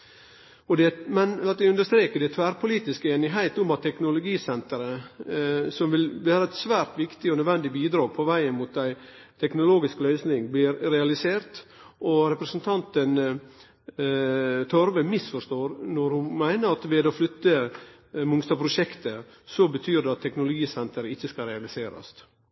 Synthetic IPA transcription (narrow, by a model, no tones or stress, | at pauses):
ɔd̪ɛmɛnɑt̪d̪ɛʉnd̪əʂt̪ɾeːkəɖɛt̪ʰʋæːɾpʰʊliːt̪ɪskəeːnɪɦæɪt̪ʊmɑt̪ʰːɛknʊlʊɡiːsɛnt̪əɾə | sɔmʋɪlʋæːɾəɛt̪sʋæːɾt̪ʋɪkt̪ɪɔnœd̪ʋɛnd̪ɪbiːd̪ɾɑːpʰɔʋæɪənmut̪̚æɪt̪ʰɛknʊloːɡɪsklœʏsnɪŋblɪɾɾɛɑlɪseːɾt̪ʔɔɾɛpɾəsnt̪ʰɑnt̪ən | t̪ʰɔɾʋəmɪsfɔʂt̪oːɾnɔɾhʊmæɪnəɾɑt̪ʋɛːd̪ɔflʏt̪ːə | mʊŋst̪ɑpʰɾʊʂɛkt̪ə | sɔbət̪ʰyːɾɖɛɑt̪ʰːɛknʊlʊɡiːsɛnt̪əɾəɪçːəskɑɾɛɑlɪseːɾɑ̰st̪